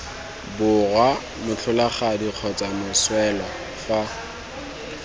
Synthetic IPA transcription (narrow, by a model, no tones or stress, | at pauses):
bʊrwa | mʊt͡ɬʰʊlaχadiq͡χʰɔt͡sʼamʊswɛlɔ | fwa